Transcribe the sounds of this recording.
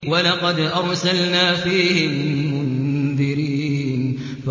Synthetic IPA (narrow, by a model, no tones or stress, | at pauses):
walɑqɑd̪ʔɑɾˤsalnaːfiːhɪmːʊnðɪɾiːn | f